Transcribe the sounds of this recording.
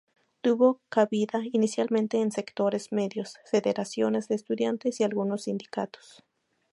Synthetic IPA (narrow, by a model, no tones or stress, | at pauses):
t̪uβokaβiðainisjalmẽnt̪e̞ːnse̞kt̪o̞ɾe̞zme̞ðjo̞sfe̞ðeɾasjo̞ne̞zðeːst̪uðjant̪esialɣunosːind̪ika̰t̪o̥s